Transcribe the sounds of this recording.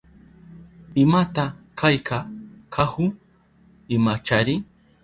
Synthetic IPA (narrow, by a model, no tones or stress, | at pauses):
ɪmat̪akajkʰakʰahʊ | ɪmat͡ʃaɾɪ